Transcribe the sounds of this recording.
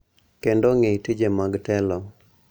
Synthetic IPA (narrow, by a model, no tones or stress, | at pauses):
kendoŋetid͡ʒemaɡtɛlɔ